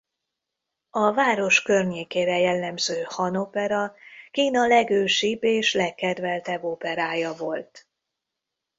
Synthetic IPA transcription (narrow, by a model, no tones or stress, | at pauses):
ɒvaːɾo̞ʃkørɲeːkeːɾɛjɛlːɛmzøːhɒno̞pɛɾɒkiːnɒlɛɡøːʃibːeːʃlɛkːɛd̪vɛlt̪ɛbːo̞pɛɾaːjɒvo̞lt̪